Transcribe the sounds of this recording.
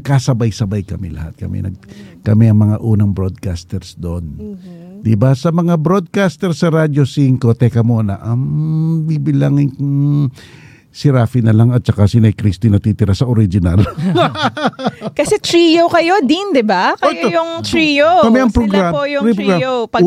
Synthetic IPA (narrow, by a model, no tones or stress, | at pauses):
ɡ̚kasɐbajsɐbajkɐmɛlɐ̰ha̰t̪̚kɐ̰mɛ̰nɐ̰ɡ̚kɐmɛɐŋmɐŋaʔuːnɐŋbɾod̪̚kast̪ɛɾsd̪oʔnd̪ɪbasɐmɐŋabɾo̞d̪̚kast̪ɛɾsɐɾad̪o̞siŋko̞t̪ɛkɐmonɐ̰ʔɐŋbibɪlaŋɪŋ | sɪɾaːfinɐlaŋɐt̪̚t͡ʃɐkasɪnɐjkɾist̪inɐt̪iːt̪ɪɾasɐʔoɾid͡ʒɪna̰l | kɐsɛt̪ɾijokɐjo̞d̪ind̪ɪbakɐɛjoojʊŋt̪ɾijokɐmɛʔɐŋpɾolɡɾaojʊiɡaopɐ